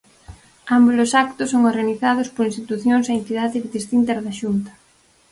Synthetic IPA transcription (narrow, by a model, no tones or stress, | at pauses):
ambulosak̚t̪ʊsːoŋoɾɣaniθaðʊspoɾinst̪it̪uθjoŋsaent̪iðaðɪðist̪int̪eɾðaʃunt̪ɐ̥